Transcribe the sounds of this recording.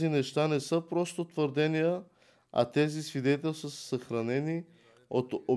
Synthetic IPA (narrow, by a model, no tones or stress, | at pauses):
inɛʃt̪anɛsɤpɾɔst̪ot̪vəɾd̪ɛnijə | ɐ̰t̪ɛzisvid̪ɛt̪ɛlʲsəsəxɾɐnɛni | ot̪o